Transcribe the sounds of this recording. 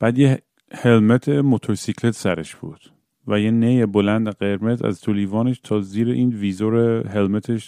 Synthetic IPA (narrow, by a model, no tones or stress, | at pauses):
b̥æːd̪je | helmet̪ʰemot̪ʰoɾsikʰlet̪ʰsæɾeʃb̥ṵd̪̥ | væjenejebolænd̪eɢeɾmezæ̰zt̪ʰoliːvɒːneʃt̪ʰɒːziːɾeʔiːnviːzoɾeɦelmet̪ʰeʃ